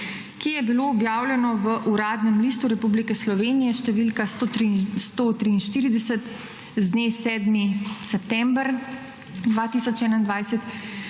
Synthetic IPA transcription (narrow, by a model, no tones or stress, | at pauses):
kijɛbiloːbjaːwlʲjɛnɔʋəʔuɾaːd̪nɛmlist̪uɾɛpublikɛslɔʋeːnijɛʃt̪ɛʋilkasost̪oːt̪ɾiːnʃt̪iːɾid̪ɛsɛt̪ | zd̪nesɛːd̪misɛpt̪ɛmbɾ | d̪ʋaːt̪isɔt͡ʃɛːnaind̪ʋajsɛt̪